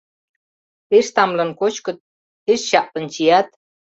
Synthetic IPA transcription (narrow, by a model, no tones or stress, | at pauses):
peʃt̪ɑmlɤ̆nkot͡ɕkɤ̆t̪̚ | eʃɕɑʔlə̆nt͡ɕijɑt̪̚